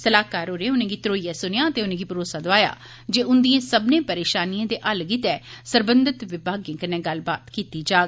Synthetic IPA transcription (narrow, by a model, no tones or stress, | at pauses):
səlaːkaːɾoːɾẽːʊnẽːɡiːt̪ɾoːijaːsʊnɪjãːət̪eːʊnẽːɡiːpəɾoːsaːd̪oaːja̰ː | d͡ʒeːʊnd̪iẽːsəbnẽːpəɾeːʃaːnijãːd̪eːʔəlɡit̪ɛːsəɾbənd̪ət̪ʋɪbʱaːɡjẽːkənẽːɡəlbaːt̪kiːt̪iːd͡ʒaːɡ